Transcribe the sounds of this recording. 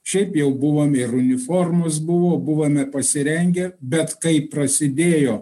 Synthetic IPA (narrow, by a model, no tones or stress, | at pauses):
ʃʲɛɪpjɛʊbʊʋoːmʲɪɾʊnʲɪfoːrmʊs̬bʊʋoːbʊʋoːmʲɛpɐsʲɪɾʲɛŋʲɡʲɛbʲɛt̪kɐɪpːɾɐsʲɪd̪ʲeːjoː